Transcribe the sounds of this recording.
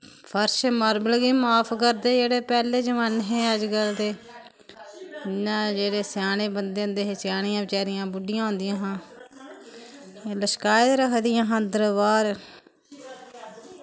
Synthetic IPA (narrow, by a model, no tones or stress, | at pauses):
pʰəɾʃməːɾbəlɡiːmaːpʰkəɾd̪eːd͡ʒeːɽeːpɛːleːd͡ʒəʋaːnɦẽːəd͡ʒɡəld̪eː | ɪnːãːd͡ʒeːɽeːsjaːɽ̃ẽːbənd̪eːʊ̃nd̪eːɦeːt͡ʃjaːɽ̃ɪjãːbɪt͡ʃaːɾɪjãːbʊɖɪjãːɦõʊːnd̪ɪjãːɦãː | ləʃkaːjd̪ɾəkʰd̪ɪjãːɦə̃d̪əɾbaːɾ